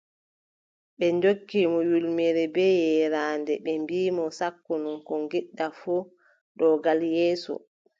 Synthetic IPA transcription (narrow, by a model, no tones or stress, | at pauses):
ɓɛnd͡ʒokːimɔjulmɛɾɛbɛjɛɾaːndɛɓɛmbiːmɔsakːununkɔŋɡiɗːafu | ɗɔɡaljɛːsɔ̰